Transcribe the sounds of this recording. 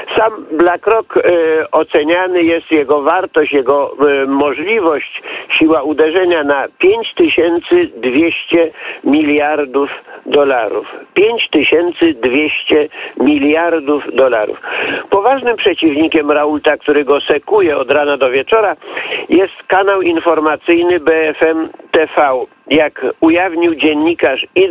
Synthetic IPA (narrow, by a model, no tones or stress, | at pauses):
samblakɾɔkɔt̪sɛɲanɘjɛst̪jɛɡɔvaɾt̪ɔɕt͡ɕjɛɡɔmɔʐlʲivɔɕt͡ɕɕiwaud̪ɛʐɛɲanapʲjeɲt͡ɕt̪ɘɕɛnt̪sɘd̪vʲjeɕt͡ɕɛmʲilʲjaɾd̪ufd̪ɔlaɾṵfpʲjeɲt͡ɕt̪ɘɕɛnt̪sɘd̪vʲjeɕt͡ɕɛmʲilʲjaɾd̪ufd̪ɔlaɾṵfpɔvaʐnɘmpʂɛt͡ɕivɲikʲɛmɾault̪ak̚t̪uɾɘɡɔsɛkujɛɔd̪ɾanad̪ɔvʲjɛt͡ʂɔɾajɛst̪kanawinfɔɾmat̪sɘjnɘbɛɛfɛmt̪ɛfaw | jakujavɲiwd͡ʑɛnːikaʂi